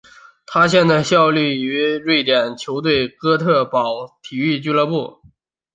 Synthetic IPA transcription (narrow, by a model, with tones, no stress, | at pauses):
t̪ʰa˥ɕjɛ˥˧nt͡s̪a˥˧ɪɕjɑ˥˧ʊly˥˩y˧˥ɻwe˥˩ɪt̪jɛ˨˩nt͡ɕʰjo˧˥ʊt̪̬we˥˩ɪkɤ˥t̪ʰɤ˥˩pɑ˨˩ʊt̪ʰi˨˩y˥˩t͡ɕy˥lɤ˧pu˥˩